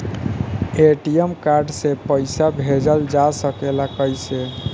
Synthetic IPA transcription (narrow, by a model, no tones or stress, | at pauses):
eʈijemkaɾɖsẽpəjsabʱed͡ʒəld͡ʒasəkelakəjse